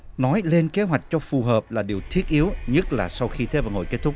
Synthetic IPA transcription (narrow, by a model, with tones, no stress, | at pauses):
nɔ˨˦jle˧nke˨˦ɦwa˨˩jk̟̚t͡ɕɔ˧fu˨˩ɦəː˨˩p̚laː˨˩ɗi˨˩əwt̪ʰi˦˥ət̚ʔi˨˦əwɲə˦˥t̚laː˨˩sa˧wxi˧t̪ʰe˨˦və̰˨˩nho̰˧˨jke˦˥t̚t̪ʰʊ˦˥k͡p̚